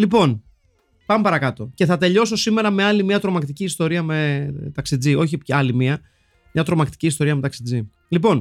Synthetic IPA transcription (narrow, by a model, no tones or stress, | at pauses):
lipo̞n | pɐmepɐɾɐkɐt̪o̞ce̞θɐt̪e̞ʎo̞s̬o̞sime̞ɾɐme̞ɐlimiɐt̪ɾo̞mɐkt̪iciːst̪o̞ɾiɐme̞t̪ɐksid͡zio̞çiɐlimiɐ | mɲɐt̪ɾo̞mɐkt̪i̥ciːst̪o̞ɾiɐme̞t̪ɐksid͡zi | lipo̞n